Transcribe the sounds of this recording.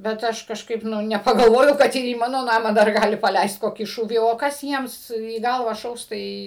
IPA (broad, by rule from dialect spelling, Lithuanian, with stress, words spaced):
bʲɛt ˈɐʃ kɐʃˈkɐɪp ˈnʊ nʲɛpɐɡɐlˠˈʋoːjɛʊ ˈkɐt ɪr iː ˈmɑːnoː ˈnɑːmɑː dɐr ˈɡɑːlʲɪ pɐˈlʲɛɪst ˈkoːkʲiː ˈʃuːʋʲiː oː ˈkɐs ˈjiɛms iː ˈɡɐlˠʋɑː ˈʃɐʊs ˈtɐɪ